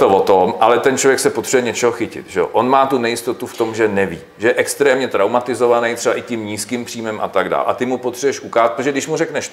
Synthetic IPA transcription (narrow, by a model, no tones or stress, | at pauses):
t̪ovot̪omʔalɛt̪ɛnt͡ʃlovjɛksɛpot̪r̥ɛbɛɲɛt͡ʃɛɦoxɪcɪ̰t̪ʒɛoʔonmaːt̪unɛjɪst̪ot̪uft̪o̞mʒɛnɛvḭːʒɛjɛʔɛkst̪ɾɛːmɲɛt̪ɾawmat̪ɪzovanɛjt̪rɛbaʔɪcɪmɲiːskimpr̥iːmɛmʔa̰t̪aɡda̰ːlʔa̰t̪ɪmupot̪r̥ɛbɛʃʔukaat̪pot̪oʒɛɡdɪʃmurɛknɛʃ